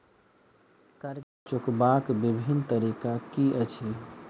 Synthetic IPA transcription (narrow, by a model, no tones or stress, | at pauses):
kəɾ | t͡ʃʊkbakbibʱint̪əɾikakiʔət͡ʃʰi